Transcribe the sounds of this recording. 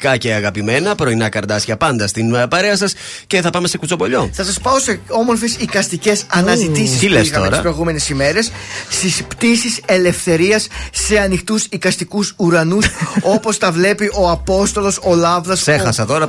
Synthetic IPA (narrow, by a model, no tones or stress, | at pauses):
kɐce̞ɐɣɐpime̞nɐpɾo̞inɐkɐɾd̪ɐsçɐpɐnd̪ɐst̪inpɐɾe̞ɐsɐs | ce̞θɐpɐme̞se̞kut͡so̞po̞ʎo̞θɐsɐspɐo̞se̞o̞mo̞ɾfe̞sikɐst̪ice̞sɐnɐzzit̪isisileitɐoeɾɐsɐpɾo̞ijɣume̞nesime̞ɾe̞sːt̪ispt̪isise̞le̞fθe̞ɾiɐsːe̞ɐnixt̪usikɐst̪ikusuɾɐnuso̞po̞st̪ɐvle̞piʔo̞ɐpo̞st̪o̞lo̞solɐvðɐse̞xɐsɐt̪o̞ɾɐ